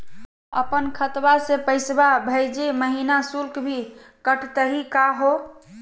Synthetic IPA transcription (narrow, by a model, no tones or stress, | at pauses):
ə̰pənkʰət̪basepəɪsbabʱəjd͡ʒeməɦinasulkbʱi | kəʈʰt̪əɦikaɦo